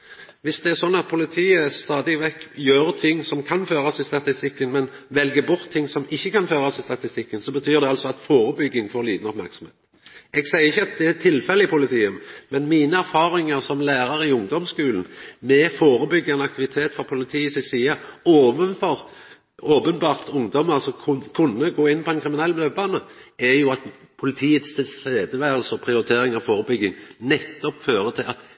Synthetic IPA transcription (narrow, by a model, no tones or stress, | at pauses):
ʋɪsd̪ɛæɾsɔnːɑt̪̚pʰʊlɪt̪ʰiːəst̪ɑːd̪ɪʋɛkːjøːɾt̪ʰɪŋːsɔmkʰɑnføːɾɑsɪst̪ɑt̪ɪst̪ɪkːənmɛnʋɛlɡəbʊʁt̪ʰːɪŋːsɔmɪçːəkɑnføːɾɑsɪst̪ɑt̪ɪst̪ɪkːənsɔbət̪ʰyːʁɾd̪ɛɑlsɔɑt̪foːɾəbʏɡːɪŋfoːɾliːd̪n̩ɔpmæ̰ɾksɔmhḛːt̪ | ɛɡsɛɪəɪçːəɑt̪̚d̪ɛæt̪ʰɪlfɛlːɪɪpʰʊlɪt̪ʰiːəmɛnmiːnəæʁɾfɑːɾɪŋəʁsɔmlæːɾɑʁɪʊŋd̪ɔmskʉːln̩mɛfoːɾəbʏɡːəɛnɑk̚t̪ɪʋɪt̪ʰeːt̪fɔɾpʰʊlɪt̪ʰiːɪsɪɡsiːəoːʋənfɔɾ | oːpənbɑːʁt̪ʊŋd̪ɔmɑlsɔkʰʊnːəɡoːɪnpʰɔɛnkʰɾɪmɪnɛlːmøːbɑːnəæɾjʊɑt̪ | pʰʊlɪt̪ʰiːət̪st̪ʰɪlst̪ɾeːd̪əʋæːɾəlsəɔpʰɾɪʊɾɪt̪ʰeːɾɪŋɑfoːʁəbʏɡɪŋnɛt̪ːɔpføːɾət̪ʰɪlɑt̪